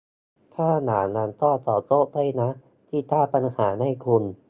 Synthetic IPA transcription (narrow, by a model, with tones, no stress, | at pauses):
t̪ʰaː˥˩naː˩˦la˧nt̪ɔː˥˩t̪ɔː˨˩t̪oː˦˥˩t̪a˧˥˩jna˦˥ | t̪ʰiː˥˩t̪aː˥˩pa˧nhaː˩˦na˧˥˩jkʰu˧n